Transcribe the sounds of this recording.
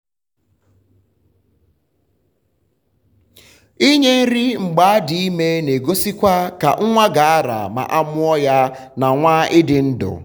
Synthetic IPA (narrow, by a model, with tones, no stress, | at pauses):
i˦ɲe˦n̩˦ɾɪ˦ŋ͡m̩˨ɡ͡ba˨a˦dɪ˨i˦me˦ne˨ɡo˦si˦kʷa˦ka̰˨ŋ̩˦ŋʷa˦ɡa˨a˦ɾa̰˨ma̰˨ʔa˦mʊ˦ɔ˦ja˦ | na˨ŋʷa˦ʔɪ˦dɪ˨n̩˦dʊ̰˨